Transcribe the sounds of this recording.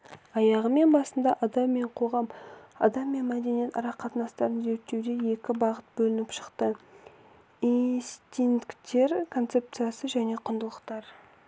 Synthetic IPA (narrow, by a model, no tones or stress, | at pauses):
ɑjɑʁəme̞nbɑsənd̪ɑʔɑd̪ɑmːe̞ɴqʰo̞ʁɑmɑ̰d̪ɑmːe̞nmæd̪e̞nije̞t̪ɑɾɑqʰːɑt̪ənɑst̪ɑɾənze̞k̚t̪ːe̞wd̪e̞je̞kʲɪbɑʁət̪̚bɵlɪnɪpʃə̥qt̪ə | ist̪ʲinkt̪e̞ɾkʰo̞nt̪se̞p̚t̪sɨjasəʒæne̞qʰʊnd̪əlˠəqt̪ɑɾ